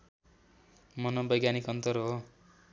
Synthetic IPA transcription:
mʌnobʌjɡjanikʌnt̪ʌrɦo

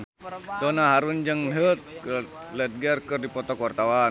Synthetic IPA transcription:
dɔnaɦaɾund͡ʒəŋɦət̪̚k | lɛt̪̚ɡərkərdipɔt̪ɔkwart̪awan

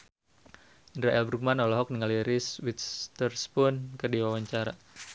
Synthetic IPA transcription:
indɾaʔɛlbɾuk̚manɔlɔɦɔk̚niŋaliɾiswit̪st̪ərspʊnkərdiwawaɲt͡ʃaɾa̰

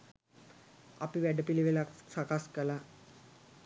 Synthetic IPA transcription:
a̰piʋæɖəpiliʋelaksakaskəla

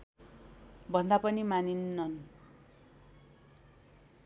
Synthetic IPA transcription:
bʱʌnd̪apʌnimaninːʌn

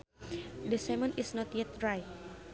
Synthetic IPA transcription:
dəsɛmə̃nisnɔt̪jɛt̪ɹaj

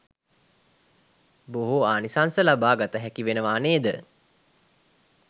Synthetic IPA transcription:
boɦuaːnisansəlabaːɡat̪əɦækiʋenəʋaːneːd̪ə

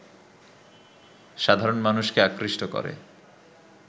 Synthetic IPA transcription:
ʃad̪ʱaɾonmanuʃkeakɾiʃʈokɔ̰ɾḛ

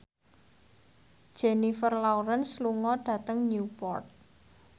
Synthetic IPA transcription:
d̥ʒ̥ɛnifərlauɾənsluŋɔɖ̥ä̤t̪əŋnupɔ̰rt̪̚

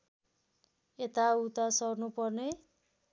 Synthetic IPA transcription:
et̪aut̪asʌrnupʌrne

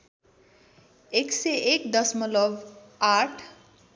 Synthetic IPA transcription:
ekseekd̪ʌsmʌlʌb | aʈʰ

